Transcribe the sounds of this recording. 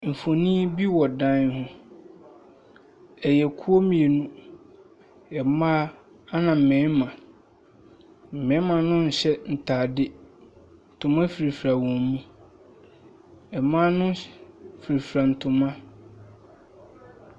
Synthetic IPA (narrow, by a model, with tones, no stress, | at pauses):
m̩˨fo˨nĩ˦bi˦wɔ˨dã˦nhʊ̃˦ | ɛ˨jɛ˨kʰu˦o˦mĩ˨e˨nũ˦ | ɛ˨mã˦ | a˦nã˨m̩˨mɛ̃˨˦mã˨ | m̩˨mɛ̃˨˦mã˨nʊ̃˦n̩˨ɕɛ˦n̩˨tʰaː˨dɪ˦ | n̩˨tʰʊ̃˨mã˦fi˨ɾi˨fɾa˨wɔ̃˨mmũ˦ | ɛ˨mã˦nʊ̃˦fi˨ɾi˨fɾa˨n̩˨tʰʊ̃˨mã˦